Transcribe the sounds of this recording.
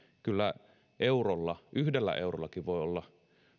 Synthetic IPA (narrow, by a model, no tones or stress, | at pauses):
kylːæ̰ | ʔeurolːɑʔyhdelːæ̰ʔeurolːɑkiʋʋoiolːɑ